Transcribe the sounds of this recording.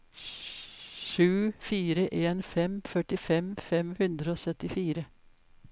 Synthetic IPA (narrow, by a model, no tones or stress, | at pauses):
ʃʉːfiːɾəʔeːnfɛmfœʈɪfɛmfɛmhʉnd̪ɾəoːsœt̪ɪfiːɾə